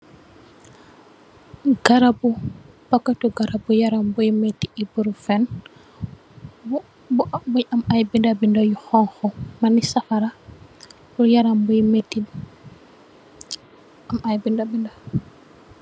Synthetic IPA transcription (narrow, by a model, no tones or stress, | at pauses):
ɡ̥aɾabu | pakːatuɡaɾabujaɾambujimetiibuɾufɛn | bubuɲamajbindabindajuxɔŋxɔmanisafaɾa | bujaɾambujmeti | amʔajbindabinda